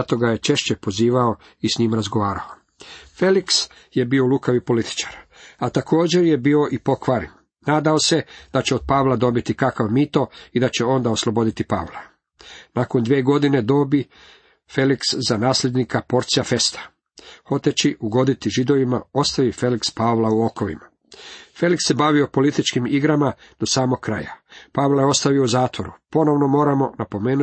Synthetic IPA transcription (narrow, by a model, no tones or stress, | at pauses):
t̪o̞ɡaje̞t͡ʃe̞ʃt͡ɕepo̞ziːʋao | isɲiːmaɾazɡo̞ʋaːɾao | fe̞liks | je̞biolˠukaʋipo̞lit̪i̥t͡ʃḁɾat̪akʰo̞ːd͡ʑe̞ɾje̞biːo̞ʔipo̞kʋaɾin | naːd̪aose̞d̪̥at͡ɕeod̪̚paʋlˠad̪o̞bit̪ikakaʋmit̪o̞id̪at͡ɕe̞o̞nd̪aoslˠo̞bo̞d̪it̪ipa̰ʋlˠa | nako̞nd̪ʋeːɡo̞d̪ine̞d̪o̞bi | fe̞likszanaːslʎed̪nikapo̞ɾt̪sijafe̞st̪ḁ | xo̞t̪et͡ɕiʔuɡo̞d̪it̪iʒid̪o̞ʋima̰o̞st̪aʋife̞likspaʋlauo̞ko̞ʋḭma | fe̞liksːe̞baʋio̞po̞lit̪it͡ʃkimiɡɾamad̪̥o̞saːmo̞k̚kːɾa̰japaːʋlˠaje̞o̞st̪aʋiouzaːt̪ʋo̞ɾupo̞no̞ʋno̞mo̞ːɾamo̞napo̞me̞ːnu